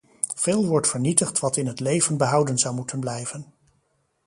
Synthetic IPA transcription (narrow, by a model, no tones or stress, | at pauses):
v̥ɪːlˠʋɔɹtfəɹnitəχtʋɑtɪnɦətlejvənbəɦʌwdənzʌwmutənblɛjvən